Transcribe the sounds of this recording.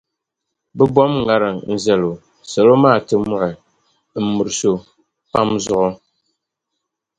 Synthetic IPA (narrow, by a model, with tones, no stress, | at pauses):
bɛ˦bɔ˦mŋa˦ɾɨ˨ŋn̩˦zɛ˦lo˨ | sɛ˨lo˦maː˦˨tɨ˦mʊ˦ʔɪ˨ | m̩˨mu˨ɾɨ˨so˨ | pa˦mzʊ˦ʔʊ˦